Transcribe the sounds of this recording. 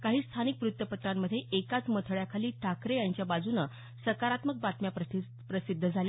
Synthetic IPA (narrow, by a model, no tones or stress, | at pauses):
kaɦiːst̪ʰanik̚pɾut̪wəpət̪ɾamːəd̪ʱːjeʔekat͡smət̪ʰəɭjakʰaliːʈʰakɾejaɲt͡ɕjabad͡zunə | səɾkaɾat̪mək̚bat̪mjapɾə | pɾəsid̪ʱːəd͡zʱalja